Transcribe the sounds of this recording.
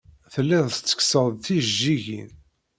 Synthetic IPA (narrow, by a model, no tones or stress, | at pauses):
θəlːiðˤt͡sːə̥ksəðˤθiʒːiʝḭn